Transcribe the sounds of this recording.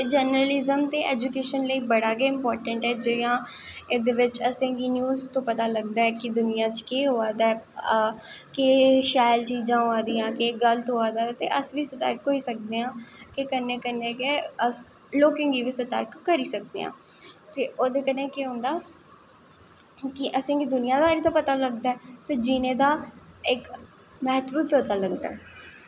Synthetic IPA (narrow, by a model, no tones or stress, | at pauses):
t̪ed͡ʒəɾnɾəlɪzəmt̪eːʔɛ̰ːd͡ʒukeːʃənləiːbəɽaːɡeɪmpɔːɾʈəɳʈɦɛːd͡ʒejãː | ɪd̪eːʋɪt͡ʃəsẽːɡiːnjuːzt̪õːpət̪aːləɡ̚d̪aːɛːkɪd̪ʊnijãːt͡ʃkeːɦoːaːd̪aɛː | keʃaːɪlt͡ʃiːd͡ʒãːoaːd̪iãːkeɡəlt̪ɦoːaːd̪aːt̪ḛːʔəsʋiːsət̪ə̰ɾkɦoːiːsək̚d̪eːãːkekənːẽːkənːekeəs | loːkɪ̃ŋɡiːʋiːsət̪ə̰ɾkːəɾiːsək̚d̪ḛːɦã̰ːt̪eːʔoːd̪eːkəneːkeːɦõːnd̪aː | kɪʔəsĩːkid̪ʊnɪjãːd̪aːɾiːd̪aːpət̪aːləɡd̪aːɛt̪aːd͡ʒɪnẽːd̪aːɪk | mɛɦət̪buːɾpɾoːt̪aːləɡd̪a̰ːɛː